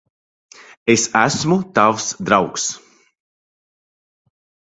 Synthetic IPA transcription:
esæsmut̪avsd̪ɾawks

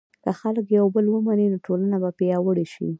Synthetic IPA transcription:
kaxaləkjawbəlwəmanenoʈolanabapejawəɽeʃḭ

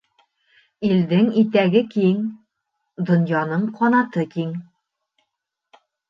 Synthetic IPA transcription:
ild̪ɘŋit̪æɡɘkiŋ | d̪ŏnjɑnɤɴqʰɒnɑt̪ɤkiŋ

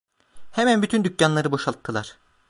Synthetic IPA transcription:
hemænbyt̪ʰynd̪ycjanlˠaɾɯbo̞ʃalˠɯkːʰɯlˠaɾ̥

